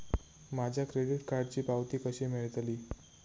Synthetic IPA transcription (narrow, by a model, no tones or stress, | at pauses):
mad͡ʑʱjakɾeɽiʈkaɾɖt͡ɕiːpaʋt̪iːkəɕiːmeɭət̪aliː